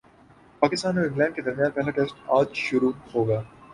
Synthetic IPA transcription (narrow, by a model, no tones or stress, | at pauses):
paːkɪst̪aːnoɪ̃ŋɡlɛ̃ːɳɖ̚ked̪ɐɾmijaːnpɛɦlaʈeːsʈaːd͡ʒʃʊɾuhoːɡɐjaː